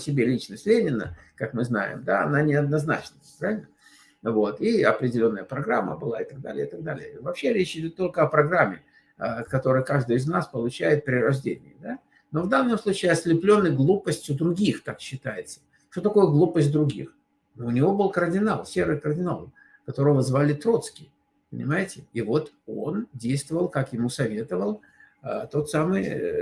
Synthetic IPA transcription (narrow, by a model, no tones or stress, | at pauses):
sʲɪbʲelʲit͡ɕnəsʲtʲlʲenʲɪnə̰kakmɨzna̰jɪ̰md̪aɐ̰nanʲɪɐd̪̚nɐzna̰t͡ɕnəpɾavʲɪlʲnə | vo̞t̪iɐpɾʲɪdʲɪlʲo̞nːəjəpɾɐɡɾamːə̰bɨlˠaɪt̪ɐɡ̚d̪a̰lʲɪ̰ə̰ɪt̪ɐɡ̚d̪alʲɪ̰jəvɐpɕeɾʲet͡ɕɪdʲo̞t̪ːo̞lʲkəɐpɾɐɡɾamʲːɪ | əkɐt̪o̞ɾəjkaʐd̪ɨjɪznaspəlˠʊt͡ɕæjɪt̪̚pɾʲɪɾɐʐdʲḛnʲɪ̰ɪd̪a | no̞vd̪anːəmslˠut͡ɕɪːɐsʲlʲɪplʲo̞nːɨjɡlˠupəsʲtʲjʊd̪ɾʊɡʲixk̪akɕːɪt̪ajɪt̪sə̥ | ʂt̪ot̪̬ɐko̞jəɡlˠupəsʲt̚ʲd̪ɾʊɡʲḭx | noʊnʲɪvo̞bɨlˠkərdʲɪnalˠsʲe̞ɾɨjkərdʲɪnalˠ | kɐt̪o̞ɾəvvəzvalʲɪt̪ɾo̞t̪skʲɪ | pənʲɪ̰majɪtʲɪivo̞t̪o̞ndʲejst̪vəvəlˠkakjɪmusɐvʲe̞t̪əvəlˠ | ət̪o̞t̪samɨj